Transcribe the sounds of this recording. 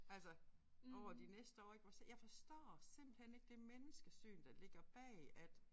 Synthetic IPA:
ælsɐ | ɒʊɐd̥inesd̥əɒ̰ːe̝ɡ̥ʋɑsejɑ̈ɪfɒ̽sd̥ɒ̰ːsem̰b̥l̩hene̝ɡ̥əd̥e̝menəsɡ̥əsy̰ːnd̥ɑ̈le̝ɡ̥ɐb̥ɛ̰ːæd̥

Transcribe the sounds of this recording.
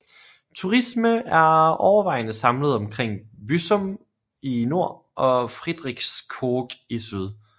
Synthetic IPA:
t͡sʰuʁisməæɐɒʊɐʋɑ̈ɪnəsɑ̈mləð̞̩ˠɒ̽mkʰʁeŋ̰b̥ysɔ̽m | ino̝ɐ̰ | ʔɒ̽fʁid̥ʁiɡ̥skʰoːɡ̥isyð̞ˠ

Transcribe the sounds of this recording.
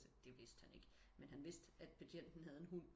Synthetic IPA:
səd̥e̝ʋe̝sd̥hæne̝ɡ̥ə | menɦænʋe̝sd̥æd̥̚pʰæɕʰen̰d̥n̩ɦæð̞ˠenɦun̰

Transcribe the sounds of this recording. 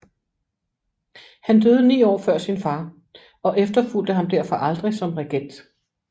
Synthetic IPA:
hænd̥øːð̞ˠənḭːɒ̰ːfɶɐ̰sinfɑ̈ː | ɒ̽ʔefd̥ɐful̰d̥əɦɑ̈md̥æɐ̰fɒ̽ʔɑ̈ld̥ʁisɒ̽mʁeɡ̥en̰d̥

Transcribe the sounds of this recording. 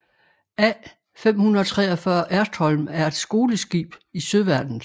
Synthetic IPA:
æ | fem̰hunɐt͡sʰʁɛːɒfɶɐʔæɐsd̥hɒ̽lmæɐe̝d̥sɡ̥o̝ːləsɡ̥ḭːb̥isøðˠʋæɐd̥n̩

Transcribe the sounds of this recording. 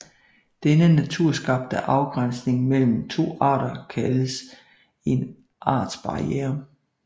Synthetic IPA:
d̥enənæt͡sʰuɐ̰sɡ̥ɑ̈b̥̚d̥əʔɑ̈ʊɡ̥ʁan̰sne̝ŋmel̰m̩t͡sʰo̝̰ːɑ̰̈ːɾɐkʰæləs | e̝n | ʔɑ̰̈ːd̥sb̥ɑ̈ieːɐ

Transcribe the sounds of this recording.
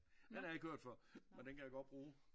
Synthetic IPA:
hænæɐɪɡkʰhøɐ̰d̥fɒmend̥enkʰæjäɡ̥ɒ̽d̥̚b̥ʁuː

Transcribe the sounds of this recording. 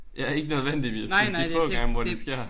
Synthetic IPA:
jɑ̈æɐe̝ɡ̥ənøð̞ˠʋen̰d̥iʋisfɔ̰̽ːɡ̥ɑ̈ŋəʋɒdesɡ̥e̝ɐ̰

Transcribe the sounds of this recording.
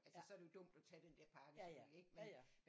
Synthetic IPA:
ælsəsɒɐɾ̥ejo̝d̥ɔ̽m̰d̥ɒt͡sʰɛd̥end̥ɛɐ̰pʰɑ̈ːɡ̥əsyle̝ɡ̥men

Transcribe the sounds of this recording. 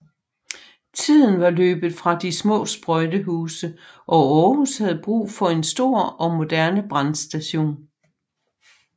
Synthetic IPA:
t͡sʰið̰ˠn̩ʋɑ̈lø̰ːb̥ð̩ˠfʁɑ̈d̥ismɔ̰̽ːsb̥ʁɔɪd̥əɦuːsəʔɒ̽ɒːhushæð̞̩ˠb̥ʁṵːfɒ̽e̝nsd̥o̝ɐ̰ɒ̽mo̝d̥æɐnəb̥ʁɑnsd̥æɕo̝̰ːn

